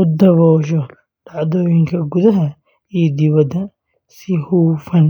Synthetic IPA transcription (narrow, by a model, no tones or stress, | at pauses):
ʊd̪ɐβɔːʃ̬ɔ | d̪̥aʕd̪ɔːjɪŋkʰɐɡʊðɐɦɐ | ijd̪ɪβɐd̪ɐ | sɪhuːfɐn